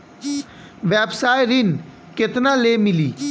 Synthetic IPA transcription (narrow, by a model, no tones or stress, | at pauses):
ʋɛːbsaːjɾɪn | kɪt̪nãːleːmɪliː